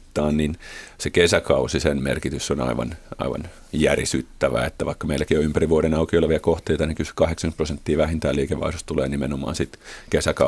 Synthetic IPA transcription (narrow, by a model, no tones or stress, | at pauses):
t̪ːɑːnninsekesækɑusisenmḛrkit̪ysːonɑ̰iʋɑ̰nɑ̰iʋɑ̰n | jærḭsyt̪ːæʋæ̰ḛt̪ːæʋɑikːɑmeilːˑækioympæriʋuoɾenɑukioleʋiɑkoht̪eit̪ɑnekysy̥kɑheksɑŋkyt̪prosent̪ːiːʋæhint̪æːliːkeʋːɑ̰isost̪ulḛːnimenomɑ̰ːnsit̪kesækɑ